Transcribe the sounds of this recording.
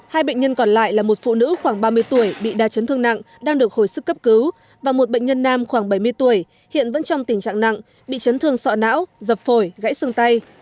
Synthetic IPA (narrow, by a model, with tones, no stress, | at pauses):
haː˧jɓə̰˧˨ŋ̟ɲə˧nkɔ˨˩nla̰ː˧˨jlaː˨˩mo˨˩t̚fṵ˧˨nɨ̰˧˥xwaː˧˩ŋɓaː˧mɨ˧əjt̪u˧˩əjɓḭ˧˨ɗaː˧t͡ɕə˨˦nt̪ɨ˧əŋna̰˧˨ŋ | ɗaː˧ŋɗɨ˨˩ək̚ho˧˩jsɨ˦˥kːə˦˥p̚kɨ˨˦w | vaː˨˩mo˨˩t̚ɓə̰˧˨ŋ̟ɲə˧nːaː˧mxwaː˧˩ŋɓə˧˩jmɨ˧əjt̪u˧˩əj | hḭ˧˨ənvə̰˧˥nt͡ɕɔ˧wŋ͡mt̪ï˧˩ŋt͡ɕa̰ː˧˨ŋna̰˧˨ŋ | ɓḭ˧˨t͡ɕə˨˦nt̪ʰɨ˧əŋsɔ̰˧˨na̰ː˧˥wzə˨˩p̚fo˧˩jɣa̰˧˥jsɨ˧əŋt̪a˧j